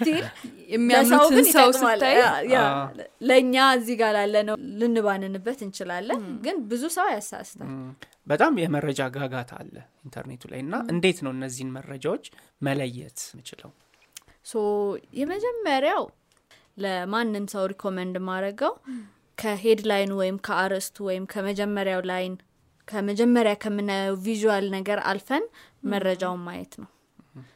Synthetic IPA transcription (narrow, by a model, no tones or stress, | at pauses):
st̪iljɛmːijasawkɨnt̪ʼalajaləɨɲːaɨzːiɡalalːənəlɨnːɨβanɨnɨbːət̪ɨnt͡ʃɪlalːənɡɨnbɨzusəwajasa̰st̪ʰa̰ | bət̪ʼamjɛməɾəd͡ʒaɡaɡat̪ʰa̰lːə̰int̪ʰə̰ɾnet̪ʰula̰jɨnːaɨnd̪e̞t̪nəwɨnːəzːihnmərːəd͡ʒawot͡ʃː | mələjːɛ̰t̪mɨt͡ʃɪlə̰w | səwjɛməd͡ʒɛmːəɾjaw | ləmanːɨmsəwɾikʰo̞mənd̪maɾəɡəw | kʰəɦed̪lajnwɔjɪmkʰəaɾəst̪ʰuwɔjɪmkʰəməd͡ʒɛmːəɾjawlajn | kʰəməd͡ʒɛmːəɾjakʰəmɨnəvizuwalnəɡəɾa̰lfənməɾːəd͡ʒawmajɛ̰t̪nəw